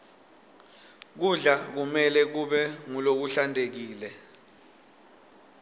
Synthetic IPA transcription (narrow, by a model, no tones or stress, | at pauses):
k̬uɮak̬umɛlɛk̬uɓɛŋulok̬uɬandʱek̬iːlɛ